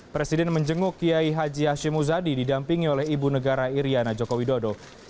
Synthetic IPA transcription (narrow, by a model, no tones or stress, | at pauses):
pɾesidɛnməɲd͡ʒəŋʊkiaiɦad͡ʒiɦaʃɪmuzadididampiŋiolɛhibunəɡaɾaiɾianad͡ʒokowidodo